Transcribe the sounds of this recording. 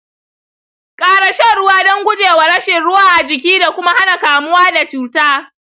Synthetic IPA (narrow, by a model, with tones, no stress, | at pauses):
kʼaː˦ɽa˨ʃɐ˦˨ɽʊ˦waː˦dɔ˦ŋɡʷʊ˦d͡ʒeː˨wa˨ɽɐ˦ʃɪ˨nɽʊ˦waː˦ʔa˨d͡ʒɪ˨k̬ʲiː˦da˨kʷʊ˦ma˦ha˦na˨kaː˨mʊ˦waː˦da˨t͡ʃuː˦taː˦